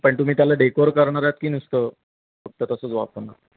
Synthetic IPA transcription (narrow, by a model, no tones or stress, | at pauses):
pəɳt̪um̤iːt̪jalaɖekoɾkəɾɳ̃aɾaat̪̚kiːnust̪ə | fək̚t̪ət̪əsəːt͡sʋa̰pəna̰